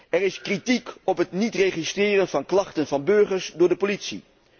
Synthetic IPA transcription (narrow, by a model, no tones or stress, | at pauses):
ɛrɪskritikɔpɦətnitrejχistrɪːrənvɑnklɑχtənvɑnbɵɹχəɹsdʊːɹdəpolitsḭ